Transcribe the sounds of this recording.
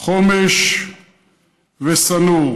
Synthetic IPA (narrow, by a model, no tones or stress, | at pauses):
χomeʃ | vesanu